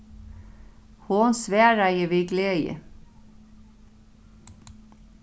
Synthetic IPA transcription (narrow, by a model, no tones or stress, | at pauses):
hoːnsʋeːɹæɪəʋiːɡleːjə̰